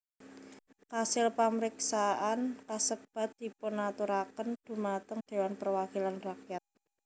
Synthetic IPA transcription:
kasɪlpaməɾiksaʔankasəb̥a̤t̪̚d̪̥i̤punat̪uɾakənd̪̥ṳmat̪əŋd̪̥e̤wanpərwakilanrakjat̪̚

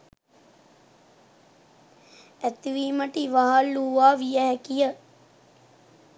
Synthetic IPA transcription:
æt̪iʋiːməʈiʋaɦaluʋaːʋijəɦɛkijə

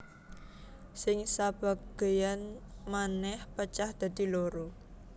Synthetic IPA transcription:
sɪŋsab̥a̤ɡ̥e̤janmanɛhpət͡ʃahd̪̥a̤d̪̥i̤loɾo

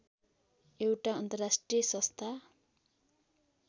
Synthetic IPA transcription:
ewʈaʌnt̪ʌrasʈrijʌsʌ̃st̪ʰa

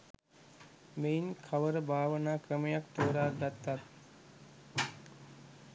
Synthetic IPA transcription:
meinkʰaʋəɾəbʱaːʋənaːkɾəməjakt̪oːɾaːɾd̪at̪ːat̪

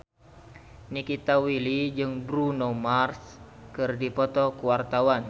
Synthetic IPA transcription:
nikit̪awilid͡ʒɨŋbɾunɔmarskɨrdipɔt̪ɔkuwart̪awan

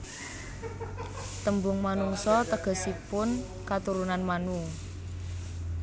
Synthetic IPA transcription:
t̪əmbʊŋmanuŋsɔt̪əɡ̥ə̤sipʊn | kat̪uɾunanmanu

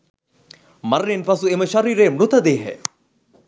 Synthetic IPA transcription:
mɐɾːinfɐsueməʃɐɾiːɾeːmɾut̪ɐd̪eːɦɛ̰

